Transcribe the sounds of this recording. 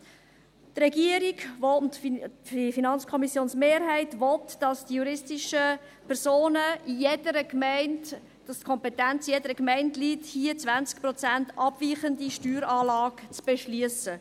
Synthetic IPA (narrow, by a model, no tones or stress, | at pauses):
trɛɡiəɾiɡvɔtifinɑnt͡skʰɔmisjoːnsmeːɾɦɛɪtʋɔtd̥ɑsd̥ijuɾɪstiʃəpʰɛɾsoːnəijedəɾəkmɛɪnt | d̥ɑstkʰɔmpɛtænt͡sijedəɾəkmæɪntliːthiət͡sʋænt͡skprɔt͡sæntʔɑb̥viːχəndiʃtyːɾɑːlɑːɡt͡sb̥ɛʃlyəsə